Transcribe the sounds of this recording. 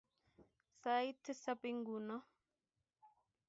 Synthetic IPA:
sa˦jtsa˦pi˦ŋɡu˨nɔ˦

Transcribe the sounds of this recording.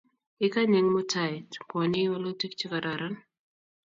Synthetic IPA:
ɪ˦ka˦ɲɪ˨ŋmʊ˦tʰaɪ˨tkɔ˨nɪ˦wɔ˦lo˦ti˦kt͡ʃi˦ka˨da˨ɾa˦n

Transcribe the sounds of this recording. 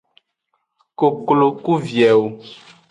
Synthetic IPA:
ko˨klo˨ku˦vjɛ˨wo˨

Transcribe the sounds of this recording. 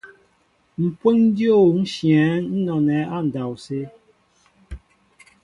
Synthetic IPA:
m̩˨pwe˦ŋ˦djo˦˨n̩˦ʃjɛ̃˨˦n̩˦nɔ˨nɛ˨˦a˦˨n̩˨da˨wse˦

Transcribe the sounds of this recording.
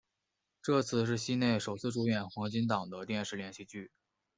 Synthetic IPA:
ʈ͡ʂɤ˥˧t͡sʰɹ̩˥˧ʂ̬ɻ̩˥˩ɕi˥ne˥˩ɪʂo˨˩ʊt͡sʰɹ̩˥˩ʈ͡ʂu˧˥ɥɛ˨˩nxwɑ˧˥ŋt͡ɕi˥nt̪ɑ˨˩ŋd̪ə˦t̪jɛ˥˧nʂɻ̩˥˩ljɛ˧˥nɕi˥˧t͡ɕy˥˩

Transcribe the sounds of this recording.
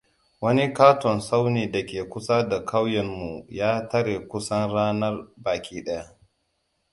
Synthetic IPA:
wɐ˦ni˦kaː˦tɔ˨nsa˦wneː˨da˨kʲeː˨kʷʊ˦sa˦da˨kʰa˦wjɛ˨mːu˨jaː˦tɐ˦ɽeː˨kʷʊ˦sɐ˦nɽaː˦nɐ˦rbaː˨kʲʰiː˦ɗɐ˦ja˦

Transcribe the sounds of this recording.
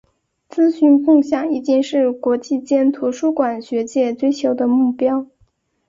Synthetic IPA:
t͡sɹ̩˥ɕy˧˥nkʊ˥˧ŋɕjɑ˨˩ŋi˥˩t͡ɕi˥ŋʂɻ̩˥˩kwɔ˧˥t͡ɕi˥˩t͡ɕjɛ˥nt̪ʰu˧˥ʂu˥kwa˨˩nɕɥɛ˧˥t͡ɕjɛ˥˩t͡swe˥˩ɪt͡ɕʰjo˧˥ʊd̪ə˧mu˥˩pjɑ˥ʊ

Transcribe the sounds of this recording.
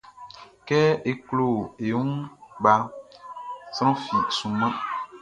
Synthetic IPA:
kɛ˦e˨klo˦˨e˨ũ˦n˦ba˨ | sɾ̃ɔ̃˦fi˨sũ˨mã˦

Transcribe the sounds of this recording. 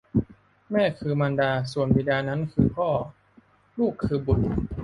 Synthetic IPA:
mɛː˥˩kʰɯː˧ma˧ndaː˧su˨˩ənbiː˧daː˧na˦˥nkʰɯː˧pʰɔː˥˩ | luː˥˩kʰːɯː˧bu˨˩t̪̚

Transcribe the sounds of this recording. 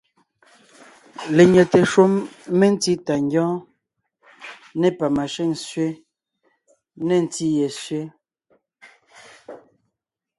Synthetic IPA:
le˨ɲɛ˨te˨ʃwo˦mːe˦n̩˦ti˦ta˨ŋɡɔ̃ː˦ | ne˦pa˨ma˨ʃe˦˨ŋsɥe˦ | ne˦˨n̩˦ti˦je˨sɥe˦

